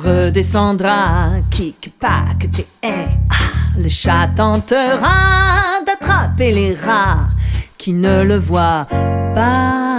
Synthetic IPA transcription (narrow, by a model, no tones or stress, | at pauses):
ʁəd̪esɑ̃d̪ʁakʰʲikpa̰kət̪e | ɛaləʃat̪ɑ̃t̪əʁad̪at̪χapeleʁaʁkʰʲinələvwapa